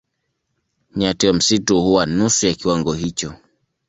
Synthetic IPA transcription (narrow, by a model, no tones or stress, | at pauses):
ɲatiwam̩situhuwanusujakiwaŋɡɔɦit͡ʃɔ